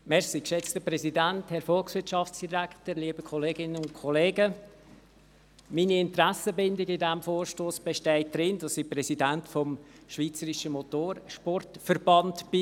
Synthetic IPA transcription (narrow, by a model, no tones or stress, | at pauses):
mɛʁsikʃɛt͡stəpɾɛsidænthɛɾfɔlksʋɪtt͡ʃʃɑfsd̥iɾæktəɾliːbəkʰɔleːɡɪnənʊnkʰɔleːɡə | miniɪntɾæsəbɪndɪɡɪdɛmfoːɾʃtoːsb̥ɛʃtɛɪt̚d̥ɾɪndɑsːipɾɛsidæntfɔmʃviːt͡səɾiʃəmotoːɾʃpɔrtfəɾbɑntb̥i